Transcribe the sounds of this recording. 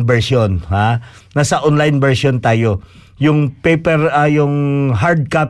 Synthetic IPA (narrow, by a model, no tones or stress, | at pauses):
ŋbɛɹsjonhaː | asɐʔonlajnbɛɹsont̪aːjo̞ | jʊŋpɛjpɛɾɐjʊŋɦaɾd̪̚kap